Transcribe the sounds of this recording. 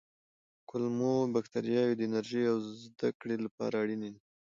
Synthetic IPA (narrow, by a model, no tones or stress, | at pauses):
kʊlmobaxt̪aɾijɑjod̪əɪnaɾʒijawzzd̪akɽelapɑ̰ɾaɽine